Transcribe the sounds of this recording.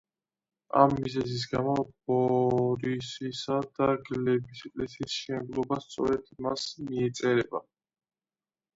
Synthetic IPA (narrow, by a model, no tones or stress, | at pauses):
a̰mːizɛzis̬ɡamɔb̥ɔɾisisad̪aɡlɛbisɛkʼlɛsisʃɛnblˠɔbast̪sʼɔ̰ɾɛd̪masmiɛt̪sʼɛɾɛba